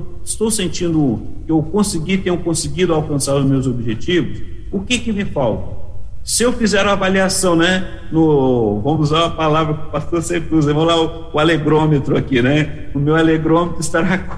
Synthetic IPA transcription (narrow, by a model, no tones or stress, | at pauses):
ɪst̪owsẽnt͡ʃĩnd̪ʊkɪewkõsɪɡit̪ẽɲʊ̃kõsɪɡid̪ʊawkɐ̃saɾʊzmewzobiʒet͡ʃivʊsʊkɪkɪmefawt̪ɐsɪewfizɛɾũɐvaliasɐ̃w̃nɛ | nʊvɐ̃mʊzuzaɾũɐpalavɾɐkɪʊpast̪oɾsekuzɐvɐ̃mʊlaʊ | ʊaleɡɾõmet̪ɾʊakinɛʊmewaleɡɾõmet̪ɾʊɪst̪aɾak